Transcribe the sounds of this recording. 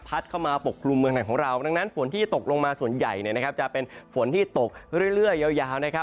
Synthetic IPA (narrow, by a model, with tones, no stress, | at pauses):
pʰa˦˥t̪̚kʰa˥˩wmaː˧po˨˩kʰːlu˧mːɯ˧əŋna˨˩ŋkʰɔː˩˦ŋɾa˧wda˧ŋna˦˥nfo˨˩˦nt̪ʰiː˥˩t̪o˨˩k̚lo˧ŋmaː˧su˨˩ənja̰˨˩jni˥˩əna˦˥kʰa˦˥p̚t͡ɕa˨˩pe˧nfo˩˦nt̪ʰiː˥˩t̪o˨˩k̚ɾɾjɾɯ˥˩əjːa˧˩wjaː˧wna˦˥kʰa˦˥